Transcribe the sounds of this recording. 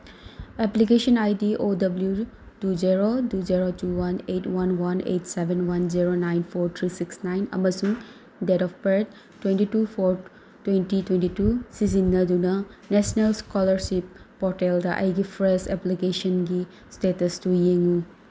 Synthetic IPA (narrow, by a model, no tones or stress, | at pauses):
eplik̬esɐnajdiʔodɐblju | tuziɾoduziɾotuwanetwanwanḛtsebʱenwanziɾonajnpʰoɾt̪ʰɾisiksnajnɐ̰mɐsuŋ | dedɔfpet | tːwentitupʰoɾ | twentitwentitusizinːɐdunɐnesnelskɔlɐɾsipːɔɾteldɐʔɐ̰jɡipʰɾeseplikesɐnɡi | stetɐstujeŋu